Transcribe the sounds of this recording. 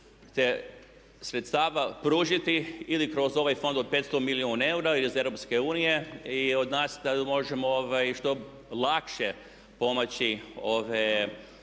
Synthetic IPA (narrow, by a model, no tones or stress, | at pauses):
t̪e | sɾet̪st̪aːʋapɾuːʒit̪iilikɾo̞zo̞ʋajfo̞nd̪od̪̚pet̪st̪o̞miliuːnae̞uɾailize̞ʋɾopskeuːnije̞iod̪naːsd̪amo̞ʒemooʋajʃt̪o̞ | lakʃe | po̞mat͡ɕio̞ʋe